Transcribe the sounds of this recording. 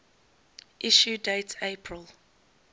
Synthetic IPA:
ʔiʃudeɪtʰeɪpʰɹəlˠ

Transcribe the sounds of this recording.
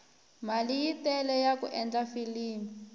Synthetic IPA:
malijitɛlɛjakuʔɛnd͡ɮafiliːmi

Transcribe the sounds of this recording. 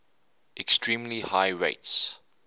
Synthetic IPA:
ʔɛkstʰɹĩːmlihaɪɹḛɪts

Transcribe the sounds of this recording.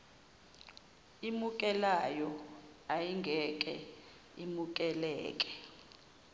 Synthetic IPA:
imuk̬ʼɛlajɔ | ajiŋɡʱɛkʼɛ | imuk̬ʼɛlɛ̰ːk̬ʼɛ̥

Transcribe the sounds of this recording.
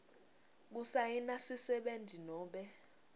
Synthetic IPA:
k̬usajinasisɛɓendʱinɔːɓɛ

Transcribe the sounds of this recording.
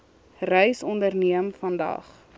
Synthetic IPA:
rœjsɔndərniəmfɐndɐ̰χ

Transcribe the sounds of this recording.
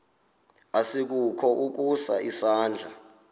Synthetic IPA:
asik̬ukʰɔʔuk̬usa̰ʔisaːnd͡ɮʱa

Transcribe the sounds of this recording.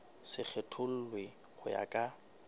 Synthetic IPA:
sɪk͡xʰetʰʊn̩lwɪ | χʊja̰kʼa

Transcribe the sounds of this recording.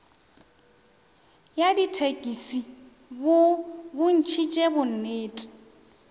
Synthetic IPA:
jaditʰekʼisi | bʊbʊn̩t͡ʃʰit͡ʃʼebʊn̩neːtʼi̥

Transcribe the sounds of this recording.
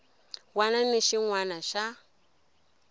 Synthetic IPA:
wananeʃiŋwanaʃa

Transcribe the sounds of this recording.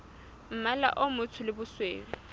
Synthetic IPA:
m̩mala̰ʔomʊt͡sʰʊlɪbʊsweːŋʊ

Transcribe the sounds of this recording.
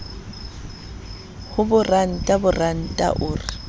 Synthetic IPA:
hʊbʊran̩tʼabʊran̩tʼa̰ʔʊːrɪ

